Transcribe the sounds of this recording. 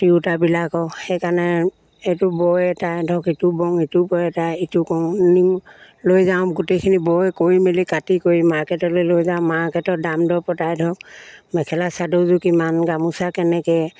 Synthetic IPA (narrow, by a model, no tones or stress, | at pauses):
tiutabilakɔhɛjkanɛ | etʊbɔjɛtajdʱɔkitʊbɔŋitʊbɔjɛtajitʊkɔŋni | lojzaʊ̃ɡotejkʰinibɔjkoɹimelikatikoɹimaɹkɛtɔlojlojzaʊ̃mːaɹkɛtɔdamdɔɹpɔtajdʱɔk̚mɛkʰɛlasadozʊkimanɡamusakɛnɛkɛ